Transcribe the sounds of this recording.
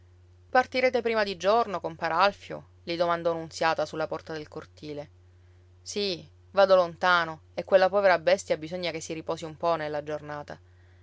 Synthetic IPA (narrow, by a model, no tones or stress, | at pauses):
part̪iɾeːt̪epɾiːmad̪id͡ʒornokompaːɾealfjo̰ | lid̪omand̪ɔnunt̪sjaːt̪asulːapɔrt̪ad̪elkort̪iːle | si | vaːd̪olont̪aːnoekːwelːapɔːveɾabɛst̪jabizoɲːakesːiɾipɔːsiumpɔnelːad͡ʒornaːt̪a